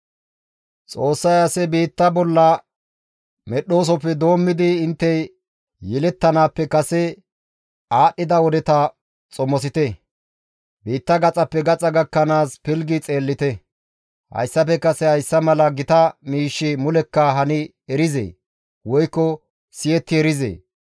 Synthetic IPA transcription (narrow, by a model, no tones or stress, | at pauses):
t͡sʼo̞ːsːɐjɐsɛbiːt̪ːɐbɔlːɐ | mɛɗo̞ːs̬ɔpːɛd̪o̞ːmːɪd̪ɪɪnt̪ːɛj | jɛlɛt̪ːɐnaːpːɛkɐsɛ | aːɗːɪd̪ɐwɔd̪ɛt̪ɐ | t͡sʼɔmɔs̬ɪt̪ɛ | biːt̪ːɐɡɐt͡sʼɐpːɛɡɐt͡sʼɐɡɐkːɐnaːspɪlɡɪt͡sʼe̞ːlːɪt̪ɛ | hɐ̰jsːɐpɛkɐsɛhɐjsːɐmɐlɐɡɪt̪ɐmiːʃːɪmʊlɛkːɐɦɐnɪ | ɛɾɪzḛː | wɔjkːɔ | sɪjɛt̪ːɪɛɾɪzḛː